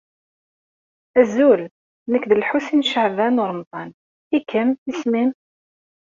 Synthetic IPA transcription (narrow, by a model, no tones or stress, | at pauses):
æzul | nəkðəlħusinʃəʕvænʊɾˤmt̪ˤɑn | ikʰəmismim